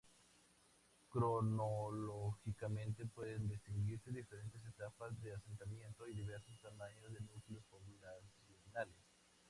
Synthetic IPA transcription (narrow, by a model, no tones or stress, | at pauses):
kɾonoloxikamẽ̞nt̪e̞pwe̞ðend̪est̪iŋɡiɾse̞ðife̞ɾe̞nt̪e̞s̬e̞t̪apazðe̞ase̞nt̪amjẽ̞nt̪o̞iðiβe̞ɾsost̪amaɲozðenuklospoβunasjonales